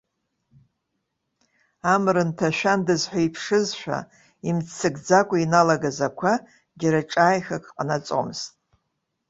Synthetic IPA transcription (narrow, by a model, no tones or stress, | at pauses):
amrɨntʰaʃᶣandɨzħʷᶣaipʰʂɨzʃʷᶣa̰ | imt͡sʰɨɡd͡zakʷʼainalaɡazakʷʰa | ɡʲaɾaʈ͡ʂʼaːjxakʼqʼanat͡sʼo̰mztʼ